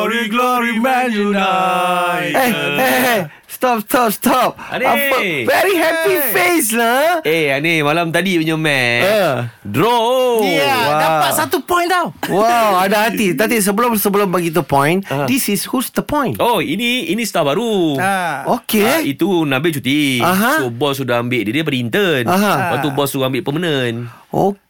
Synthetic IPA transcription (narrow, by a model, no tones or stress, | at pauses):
iɡlɔɹimɛnua | ee | st̪ɔp̚st̪ɔp̚st̪ɔp̚a̰navɛɹiɦɛpifeslaeanemalamt̪̬adiuɲəmɛədɾoawadapatsat̪upɔ̃j̃nt̪awwawadaɦat̪it̪apis̬əbəlomsəbəlombaɡit̪əpɔ̃j̃ndisishusd̪əpɔ̃j̃noiniinĩsə̥t̪ahbaɾu | okeit̪unãmbɪʔt͡ʃut̪iãɦãobɔs̬udahambɪʔdidiəp̬əɾint̪ənãɦãwat̪ubɔsuɡambɪʔpəmənən | o̰